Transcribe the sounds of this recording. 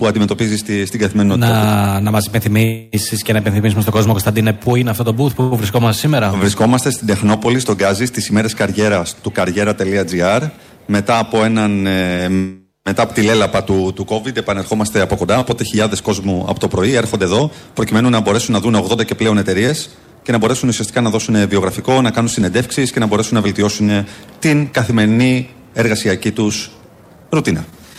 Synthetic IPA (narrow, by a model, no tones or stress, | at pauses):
puɐnd̪imet̪o̞pizist̪st̪iɡɐθimenonɐnɐmɐsi̥penθimisiscenɐipe̞nθimis̬umest̪oɡo̞zmokost̪ɐnd̪inepuineɐft̪o̞t̪o̞buθpuvɾisko̞mɐst̪esime̞ɾɐvɾisko̞mɐst̪e̞st̪id̪e̞xno̞po̞list̪o̞ɡɐzist̪isime̞ɾe̞skɐɾʝe̞ɾɐst̪ukɐɾʝe̞ɾɐt̪e̞liɐd͡ziɐɾ | me̞t̪ɐːpo̞e̞nɐn | me̞t̪ɐːpo̞t̪ile̞lɐpɐt̪ut̪uko̞vid̪e̞pɐne̞ɾxo̞mɐst̪e̞ɐpo̞ko̞nd̪ɐpo̞t̪e̞çiʎɐðe̞sko̞zmuɐ̰po̞t̪o̞pɾo̞ie̞ɾxo̞nd̪eðo̞pɾo̞cime̞nunɐbo̞ɾe̞sunːɐðuneo̞ɣðond̪ɐce̞ple̞o̞ne̞t̪e̞ɾie̞s | ce̞nɐbo̞ɾe̞sunusiɐst̪i̥kɐnɐðo̞sune̞vio̞ɣɾɐfiko̞nɐkɐnunst̪ine̞nd̪e̞fksisce̞nɐbo̞ɾe̞sunːɐve̞lt̪io̞sune̞t̪inkɐθime̞ɾini | e̞ɾɣɐsiɐcit̪us | ɾut̪inɐ